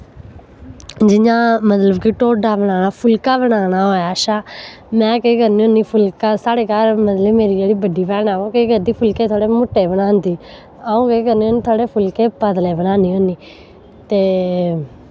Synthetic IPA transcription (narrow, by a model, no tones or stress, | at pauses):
d͡ʒɪɲãːmət̪ləbkɪʈoːɖaːbəɽ̃aːnaːpʰʊlkaːbəɽaːnaːɦoːaːʃaː | mɛ̃ːkeːkəɾnĩːõːniːpʰʊlkaːsaːɽeːkaːlmət̪ləbmeːɾiːd͡ʒeːɽiːbəɖiːpɛːnaːõːkeːɡəɾd̪iːpʰʊlkeːt̪ʰoːɽeːmʊʈːeːbəɽãːnd̪iː | aːũːkeːkəɾniːoːniːt̪ʰoːɽeːpʰʊlkeːpəd̪leːbənaːniːɦõːniː | t̪eː